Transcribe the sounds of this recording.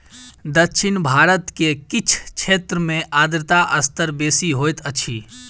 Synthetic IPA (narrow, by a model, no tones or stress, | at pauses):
d̪əkʃʰɪnbʱaːɾət̪kekɪt͡ʃʰʃʰeːt̪ɾəmẽʔaːd̪ɾɪt̪aʔəst̪əɾbeːsiɦoːt̪ʰət͡ʃʰiː